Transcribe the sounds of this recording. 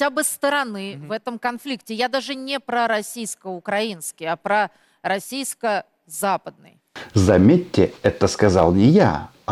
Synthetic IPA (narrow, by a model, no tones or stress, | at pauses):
abɨst̪əɾɐnɨvɛt̪əmkɐnflʲiktʲɪjad̪aʐɨnʲɪpɾəɾɐsʲijskəʊkɾɐinskʲɪjɐpɾə | ɾɐsʲijskə | zapəd̪̚nɨ̰j | zɐmʲetʲːɪɛt̪əskɐza̰lˠnʲɪja̰